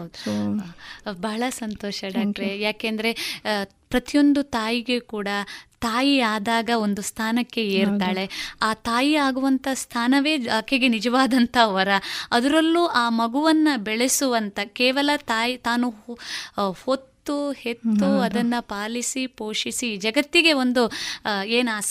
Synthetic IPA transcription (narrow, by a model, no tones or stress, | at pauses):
ɦɐd̪u | bɐːɐɭɐsɐnt̪oːʃɐɖaːkʈɐɾejaːkeːnd̪ɐɾe̞ | pɾɐt̪ijo̞nd̪ut̪aːjiɡe̞kuːɽɐt̪aːjiaːd̪aːɡɐo̞nd̪ust̪ʰaːnɐkːe̞eːɾt̪aːɭe̞aːt̪aːjiaːɡuʋɐnt̪ʰɐst̪ʰaːnɐʋe̞ːɐkːeɡe̞nid͡ʒɐʋaːd̪ɐnt̪ʰɐʋɐɾɐɐd̪ɐɾɐlːuʔaːmɐɡuʋɐnːɐbɛɭesuʋɐnt̪ʰɐkɛːʋɐlɐt̪aːjit̪aːnu | ho̞t̪ːuhe̞t̪ːuɐd̪ɐnːɐpaːlisipoːʂisid͡ʒɐɡɐt̪ːiɡe̞o̞nd̪ueːnaːs